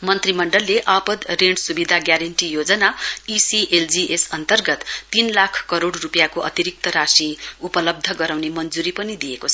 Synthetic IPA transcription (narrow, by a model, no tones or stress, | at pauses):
mʌnt̪rimʌɳɖʌlːeʔapʌd̪reɳsubid̪ʱaɡjaɾeɳʈijod͡zʌnaisiʔeld͡ziʔesʌnt̪ʌrɡʌt̪ːinlakʰkʌɾoɽrupjakoʔʌ̰t̪iɾik̚t̪ʌɾasiupʌlʌb̚d̪ʱʌɡʌɾawnemʌnd͡zuɾipʌnid̪ijekot͡sʰʌ